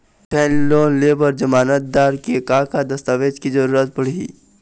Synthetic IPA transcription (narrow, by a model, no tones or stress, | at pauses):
ʈʰɛ̃ːnloːnleːbəɾd͡ʒəmaːnət̪̚d̪aːɾkekaːkad̪ɐst̪aːʋeːd͡ʒkizəɾuːɾət̪̚pəɽ̤i